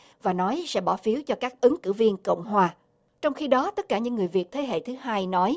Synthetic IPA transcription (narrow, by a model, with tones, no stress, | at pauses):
vaː˨˩nɔ˨˦jsɛ̰˧˥ɓɔ˧˩fi˨˦əwt͡ɕɔ˧kaː˦˥k̚ʔɨ˨˦ŋkɨ̰˧˩vi˧ənkə̰˧˨wŋ͡mɦwaː˨˩ | t͡ɕɔ˧wŋ͡mxi˧ɗɔ˨˦t̪ə˦˥t̚kaː˧˩ɲɨ̰˧˥ŋːɨ˨˩əjvi˨˩ət̚t̪ʰe˨˦ɦḛ˧˨t̪ʰɨ˨˦ɦaː˧jnɔ˨˦j